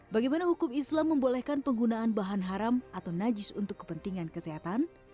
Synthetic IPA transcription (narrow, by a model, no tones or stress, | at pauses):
baɡajmanahukʊmislamːəmbolɛhkanpəŋɡunaːnbaɦanɦaɾamat̪awnad͡ʒɪsṵnt̪ʊkːə̥pənt̪iŋankəseɦat̪an